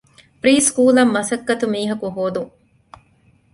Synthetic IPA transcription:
pɾiːskuːlɐmːɐsɐkːɐt̪umiːɦɐkuɦoːd̪uŋ

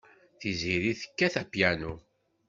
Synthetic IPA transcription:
θiziɾiθə̥kːæθæpjænu

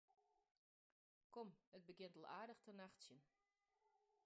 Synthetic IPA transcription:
kɔmət̚bəɡjɪntolˠaːdəxtʰərnaxtsjən

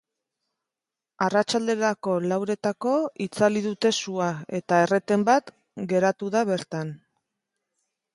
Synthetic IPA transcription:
arat͡ʃald̪e̞ɾako̞lawɾe̞t̪ako̞it͡saliðut̪e̞suae̞t̪ae̞re̞t̪e̞mbat̪ | ɡe̞ɾat̪uðaβe̞ɾt̪an

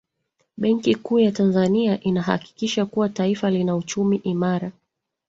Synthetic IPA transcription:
ɓɛŋkikuːjatanzaniaʔinaɦa̰ki̥kiʃakuwataifalinaut͡ʃumiʔimaɾa

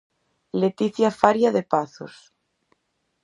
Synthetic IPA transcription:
let̪iθjafaɾjaðepaθo̰s

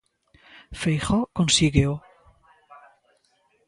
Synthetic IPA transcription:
fejχɔkonsiɣeo

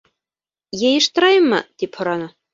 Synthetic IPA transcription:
jejɤ̆ʃt̪ɤ̆ɾɑjɤmːɤ̰t̪iphŏɾɑnɤ

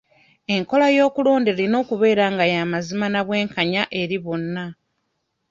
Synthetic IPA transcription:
e̞ŋko̞lajo̞ːkuloːndelino̞ːkuβe̞ːɾaːŋɡajamazimanaβwe̞ːŋkaɲaʔe̞ɾiβonːa

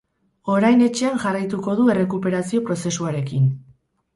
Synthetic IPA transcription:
o̞ɾajne̞t͡ʃe̞anʝarajt̪uko̞ðue̞re̞kupe̞ɾasio̞pɾo̞se̞suaɾe̞kin

